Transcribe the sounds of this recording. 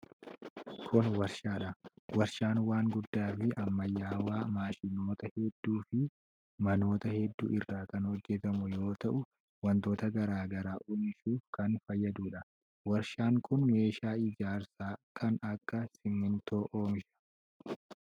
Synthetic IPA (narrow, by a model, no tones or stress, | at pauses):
kʰʊnwɐɾʃaːᶑɐwɐɾʃaːnwaːŋɡʊd̪ːaːfɪɐmːɐjːaːwaːmaːʃɪno̞ːt̪ɐhɛd̪ːuːfɪ | mɐno̞ːt̪ɐhɛd̪ːṵːɪrːaːkɐnhɔd͡ʒːɛt̪ɐmʊjo̞ːt̪ɐʔʊ | wɐnt̪o̞ːt̪ɐɡɐɾaːɡɐɾaːʔoːmɪʃuːfkɐnfɐjːɐd̪uːᶑɐ | wɐɾʃaːŋkʰʊnme̞ːʃaːɪd͡ʒaːɾsaːkʰɐnɐkːɐsɪmːɪnt̪oːʔoːmɪʃɐ̥